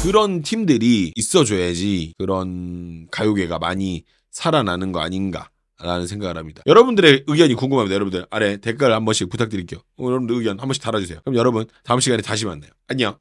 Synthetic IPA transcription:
kɯɾʌntʰimdɯɾiːs͈ʌd͡ʑojad͡ʑikɯɾʌnkajoɡe̞ɡamaɲi | sʰaɾananɯnɡʌa̰ɲinɡa̰ | ɾanɯnsʰe̞ŋɡaɡɯɭɦhamɲid̥ajʌɾʌbundɯɾe̞ɯɡjʌɲikuŋɡɯmɦamjidajʌʌbundɯɾɭane̞te̞k͈aɾɯɭhambʌɕʰiputʰak̚t͈ɯɾik͈ejo | jʌʌbundɯɯɡjʌnhambʌɕi̥taɾad͡ʑusʰe̞jokɯmjʌɾʌbuntaɯmɕʰiɡaɲetaɕ̬ʰimanːejoaɲia

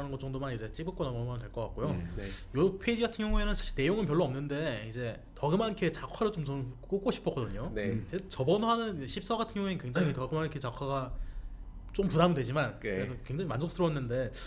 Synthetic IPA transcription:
anɯnŋɡʌtt͡ɕʌŋdomanid͡ʑe̞t͡ɕ͈ibɯɭk͈onamʌmʌnɯdeɭk͈ʌk͈at̚k͈ojojopʰed͡ʑiɡatʰɯnɡjʌŋue̞nɯnsʰḁɕ͈ʰiɭne̞joŋɯnpjʌɭːoʌmnɯnde̞id͡ʑe̞ | tʌɡɯmankʰe̞t͡ɕakʰwaɾɯɭt͡ɕomt͡ɕʌk͈ok͈oɕʰi̥p͈ʰʌk͈ʌdɯɲonet͡ɕet͡ɕʌbʌnwanɯnid͡ʑeɕʰip̚s͈ʌɡatʰɯnjʌŋuenkwe̞ŋd͡ʑaŋitʌɡɯmanikʰet͡ɕakʰaɡa | t͡ɕ͈ompudamɯndwed͡ʑimankɯɾesʰʌkwe̞ŋd͡ʑaŋimand͡ʑʰoks͈ɯɾʌnːɯnde̞

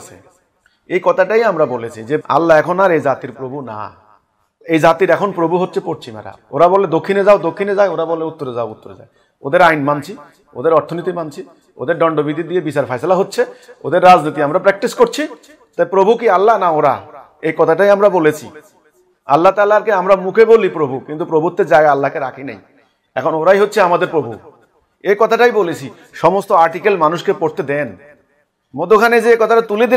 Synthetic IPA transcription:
sḛ | ejkɔt̪ʰaʈajamɾabolet͡ʃʰid͡ʒea̰lːaɛkʰɔnaɾejzat̪iɾpɾobʱuna̰ | ejzat̪iɾɛkʰonpɾobuɦot̪ːʃʰepoɾt͡ʃʰima̰ɾa̰oɾabɔled̪okʰːined͡ʒaod̪okʰːined͡ʒaeoɾabɔleut̪ːoɾed͡ʒaout̪ːoɾḛd͡ʒa̰j | od̪eɾajnmant͡ʃʰi | o̰d̪eɾɔɾt̪ʰonit̪imant͡ʃʰi | o̰d̪eɾɖɔɳɖobid̪ʱid̪iebisaɾpʰajsalaɦotːt͡ʃʰeod̪eɾːad͡ʒnit̪iamɾapɾɛk̚ʈiskoɾt͡ʃʰi | t̪ajpɾobʱukialːanaoɾa̰ | ekɔt̪ʰaʈajamɾabolet͡ɕʰḭ | a̰lːat̪alaɾkeamɾamukʰebolipɾobʱukint̪upɾobut̪ːed͡ʑaɡaalːakeɾakʰinḛj | ɛ̰kʰonoɾajɦotːʰeamad̪eɾpɾobʱṵ | ekɔt̪ʰaʈajbolet͡ɕʰi | ʃɔmost̪oaɾʈikelmanuʃkepoɾt̪ed̪en | mod̪okʰaned͡ʑeekɔt̪ʰaʈat̪uled̪i

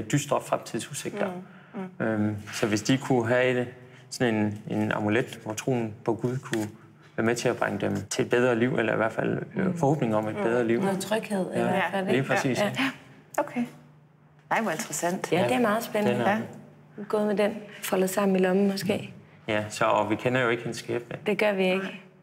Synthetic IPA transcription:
d̥ysd̥ʁɒb̥fʁamt͡sʰiðˠsuse̝ɡ̥d̥ɐ | ømsɒ̽ʋe̝sd̥ikʰuɦæed̥ | sɒ̽ne̝ne̝nɑ̰̈muled̥ʋɒt͡sʰʁo̝̰ːn̩pʰɒ̽ɡ̥uð̞ˠkʰu | ʋæɐmet͡sʰe̝æb̥ʁaŋəd̥emt͡sʰe̝d̥b̥eð̞ˠʁɐliʊ̰ʔelɐiʋæɐ̰̥fæl̰fɒho̰ːb̥ne̝ŋɒ̽me̝d̥b̥eð̞ˠʁɐliʊ̰t͡sʰʁœɡ̥heð̞̰ˠfædeliːpʰʁɛsḭːs | okʰe | ʋɒend̥ʁɐsæn̰d̥jæd̥e̝æɐmɑ̈ːð̩ˠsb̥enənə | ɡ̥ɔ̰̽ːðˠmed̥enfɒ̽lðˠsɑ̈m̰m̩ilɒ̽mmɒ̽sɡ̥e̝̰ː | jæsɒʋikʰenɐjo̝e̝ɡ̥hensɡ̥eːb̥d̥e̝ɡ̥ɶɐʋie̝ɡ̥ə

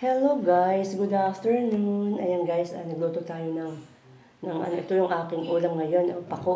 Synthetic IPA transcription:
hɛloɡajsɡʊd̪aft̪ɛɹnonʔɐjɐŋɡajsʔɐ̰nɐɡ̚luːt̪ot̪aːjonɐŋ | nɐŋʔɐ̰noʔɪt̪ojʊŋʔaːkɪŋʔuːlɐŋːɐjo̞nʔopɐko

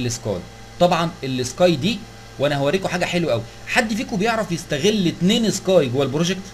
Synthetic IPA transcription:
lːeskɑ̰ːj | t̪ˤɑbʕɑnelːeskɑːjd̪iː | wʔænæhæwæɾiːkoħaːɡæħelwæʔæwi | ħad̪ːfiːkobejeʕɾˤɑfjest̪æɣelːet̪neːneskɑːjɡowælbɾoʒekt̪

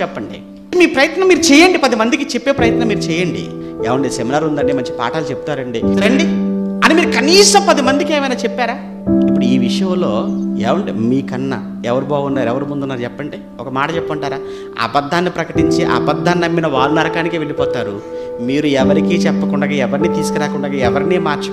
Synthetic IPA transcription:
t͡ʃɛpːɐɳɖi | miːpɾɐjɐt̪nɐmːiːɾut͡ʃɛːjɐɳɖipɐd̪imɐnd̪ikit͡ʃepːe̞ːpɾɐjɐt̪nɐmːiːɾut͡ʃɛːjɐɳɖḭ | ɛːʋɐɳɖiseminaːɾund̪ɐɳɖimɐɲt͡ʃi̥pa̰ːʈaːlut͡ʃepu̥t̪aːɾɐɳɖiɐɳɖiɐnimiːɾukɐniːsɐmpɐd̪imɐnd̪ike̞ːʋɐjnaːt͡ʃepːaːɾaː | ipːuɽuiːʋiʂɐjɐmlo̞ːɛ̰ːʋɐɳɖimiːkɐnːɐ̰ | ɛʋɐɾubaːɡunːaːɾɛʋɐɾumund̪unːaːɾut͡ʃɛpːɐɳɖi | ɔkɐmaːʈɐt͡ʃɛpːɐɳʈaːɾaː | ɐ̰bɐd̪ʱːaːnːipɾɐkɐʈiɲt͡ʃeʔɐ̰bɐd̪ʱːaːnːɐmːinɐʋaːɾunɐɾɐkaːnikeːʋe̞ɭipɔːt̪aːɾumiːɾuɛʋɐɾikiːt͡ʃɛpːɐkuɳɖɐɡaːɛʋɐɾniːt̪iːsu̥kuɾaːkuɳɖɐɡaːɛʋɐɾniːmaːɾt͡ʃɐ

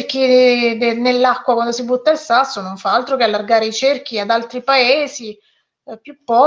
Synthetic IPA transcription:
k̟i | nelːakːwakwand̪osibut̪ːailsasːonoɱfaalt̪ɾokealːarɡaːɾeit͡ʃerk̟iad̪alt̪ɾipaeːzi | pjupːɔ

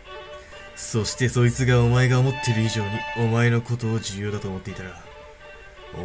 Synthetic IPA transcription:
so̞ɕi̥t̪e̞so̞it͡sɨɡaomae̞ɡaomo̞t̪ːe̞ɾɯ̟iʑo̞ːɲ̟io̞mae̞no̞ko̞t̪o̞ːʑɨjo̞ːd̪at̪o̞ːmo̞t̪ːe̞it̪aɡa

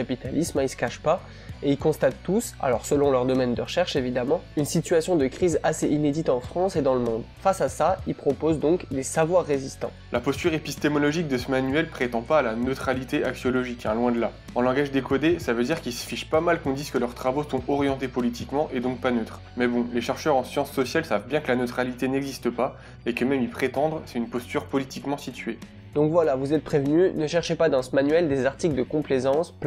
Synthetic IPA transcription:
apit̪alismisə̥kaʃpa | eilkɔ̃st̪at̪ːusa̰lɔʁsəlɔ̃lœʁd̪ɔmɛnd̪əʁəʃɛʁʃevid̪amɑ̃ynsit̪ɥasjɔ̃d̪əkχizaseʔined̪it̪ɑ̃fχɑ̃sed̪ɑ̃ləmɔ̃d̪fasasailpχɔpozd̪ɔ̃kd̪esavwaʁːezist̪ɑ̰̃ | lʔapɔst̪yʁepist̪emɔlɔʒik̚d̪əsəmanyɛlpχet̪ɑ̃paːlanøt̪χalit̪eʔaksjɔlɔʒikɛ̃lwɛ̃d̪əla | ɑ̃lɑ̃ɡaʒd̪ekɔd̪esavød̪iʁkilsə̥fiʃpamalkɔ̃d̪iz̥kəlœʁt̪χavosɔ̃ɔʁjɑ̃t̪epɔlit̪ikmɑ̃ʔed̪ɔ̃k̚panøt̪χ | mɛbɔ̃leʃɛʁʃœʁɑ̃sjɑ̃sːɔsjalsavbjɛ̃kəlanøt̪χalit̪enɛɡzist̪əpa | ekəmɛmipχet̪ɑ̃d̪ʁsɛ̥t̪ynpɔst̪yʁpɔlit̪ikmɑ̃sit̪ɥe | d̪ɔ̃kvwalavuzɛt̪̚pχevnynəʃɛʁʃepad̪ɑ̃səmanyɛld̪ezaʁt̪ikld̪əkɔ̃plezɑ̃sp

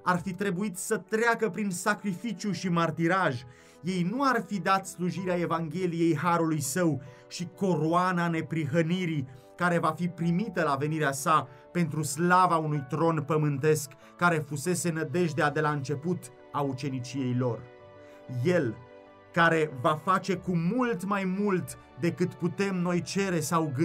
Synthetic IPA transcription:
arfit̪ɾe̞buit̪sət̪ɾeakəpɾinsakɾifit͡ʃjuʃimart̪iɾaʒ | je̞jnuarfid̪at̪sluʒiɾeae̞vaŋɡʲe̞lije̞jɦaɾulujsəw | ʃiko̞ɾoanane̞pɾiɦəniɾi | kaɾe̞vafipɾimit̪əlave̞niɾeasa | pe̞n̪t̪ɾuslavaunujt̪ɾo̞npəmɨnt̪e̞skːaɾe̞fuse̞se̞nəd̪e̞ʒd̪ead̪e̞laɨnt͡ʃe̞put̪ | aut͡ʃe̞nit͡ʃije̞jlo̞r | je̞l | kaɾe̞vafat͡ʃe̞kumult̪majmult̪ | d̪e̞kɨt̪put̪e̞mno̞jt͡ʃe̞ɾe̞sawɡ

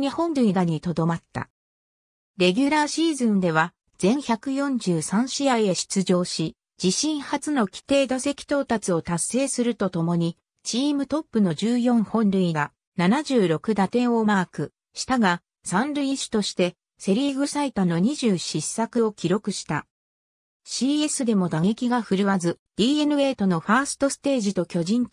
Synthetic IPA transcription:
ɲihõ̞nɾɯ̟id̪aɲ̟it̪o̞d̪o̞mat̪ːa̰ | ɾe̞ɡʲɯɾaːɕiːzɨ̃nd̪e̞β̞a | d͡zẽ̞ɰ̃çʲakɯ̟jõ̞ɲ̟d͡ʑɨːsãɰ̃ɕijaie̞ɕi̥t͡sɨʑo̞ːɕi | d͡ʑiɕĩɰ̃hat͡sɨno̞kʲi̥t̪e̞ːd̪ase̞kʲi̥t̪o̞ːt̪at͡sɨo̞t̪asːe̞ːsɨɾɯ̟t̪o̞t̪o̞mo̞ɲ̟i | t͡ɕiːmɯ̟t̪o̞pːɯ̟no̞d͡ʑɨːjõ̞ɰhõ̞nɾɯ̟iɡa | nanaʑɨːɾo̞kɯ̟d̪at̪ẽ̞o̞maːkɯ̟ | ɕi̥t̪aɡa | sãnɾɯ̟iɕi̥t̪o̞ɕi̥t̪e̞ | se̞ɾʲiːɡɯ̟sait̪ano̞ɲ̟iʑɨːɕisːakɯ̟o̞kʲiɾo̞kɯ̟ɕi̥t̪a | ɕiːe̞sɨd̪e̞mo̞d̪aŋe̞kʲiɡaɸɯ̟ɾɯβazɨd̪̥ʲiːe̞nɯ̟e̞ːt̪o̞no̞ɸaːsɨ̥t̪o̞sɨ̥t̪e̞ːʑit̪o̞kʲo̞ʑĩn

